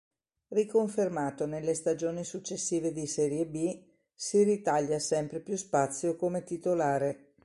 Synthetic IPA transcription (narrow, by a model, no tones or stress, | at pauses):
rikoɱfermaːt̪onelːest̪ad͡ʒoːnisut͡ʃːesːiːved̪isɛːɾjebi | sirit̪aʎːasɛmpɾepjuspat̪sːjokomet̪it̪olaːɾe